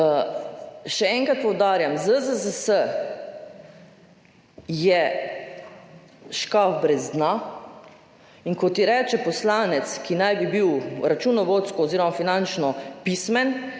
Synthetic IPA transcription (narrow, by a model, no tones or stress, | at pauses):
ʃɛɛŋkɾat̪̚pɔwd̪aːɾjamzəzəzəsə | jɛ | ʃkafbɾɛzd̪na | iŋkɔt̪iɾɛːt͡ʃɛpɔslaːnɛt̪skinajbibiwɾat͡ʃunɔʋoːt̪skɔːziːɾɔmafinant͡ʃnɔpismɛn